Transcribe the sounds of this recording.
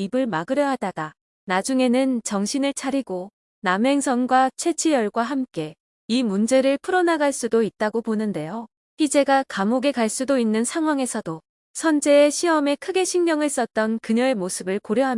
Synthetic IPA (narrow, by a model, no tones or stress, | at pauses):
ibɯɭmaɡɯɾjʌɦadad̥a | nad͡ʑuŋe̞nɯnt͡ɕʌŋɕʰinɯɭt͡ɕʰaɾiɡo | namɦe̞ŋsʰʌŋɡwat͡ɕʰe̞t͡ɕʰijʌɭɡwaɦamk͈e̞ | imund͡ʑe̞ɾɯɭpʰɯɾʌnaɡaɭs͈udoit̚t͈aɡoponɯnde̞jo | ɸʰid͡ʑe̞ɡakamoɡe̞kaɭs͈udoinːɯnsʰaŋɦwaŋe̞sʰʌdo | sʰʌnd͡ʑe̞ːɕʰiʌme̞kʰɯɡe̞ɕʰiŋmjʌŋɯɭs͈ʌt̚t͈ʌnkɯɲʌe̞mosʰɯbɯɭkoɾjʌɦam